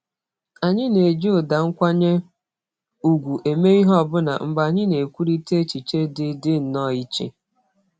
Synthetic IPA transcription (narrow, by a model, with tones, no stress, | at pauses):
a˨ɲɪ˦ne˨d͡ʒo˦ʊ˨da˨ŋ̩˦kʷa˦ɲe˦ | u˨ɡʷu˨ʔe˨me˦i˦ɦɔ˦˨bʊ˦na̰˨ŋ͡m̩˨ɡ͡ba˨ɲɪ˦ne˨kʷu˦ɾi˦te˦t͡ʃi˨t͡ʃe˦dɪ˦dɪ˦n̩˨˦nɔ˦˨i˦t͡ʃḛ˦